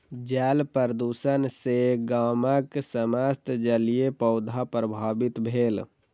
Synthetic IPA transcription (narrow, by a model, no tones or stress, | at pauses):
d͡ʒɛːlpəɾd̪usənseɡaməksəməst̪d͡ʒəlijepəʊd̪ʱapɾəbʱaːbit̪bʱeːl